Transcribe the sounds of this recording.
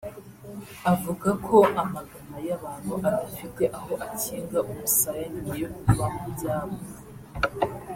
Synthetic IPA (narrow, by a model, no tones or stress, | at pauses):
avuɡakʰo̞ʔamaɡanajaβaːn̥huʔadafite̞ʔaɦo̞ʔaciːŋɡaʔumusajaɲiijokβamubɟaːmɡo